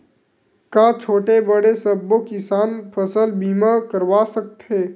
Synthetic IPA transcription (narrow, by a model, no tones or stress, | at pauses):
kaːt͡ʃʰoːʈebəɽesəbːokɪsaːnpʰəsəlbiːmakəɾʋaːsək̚t̪ɦeː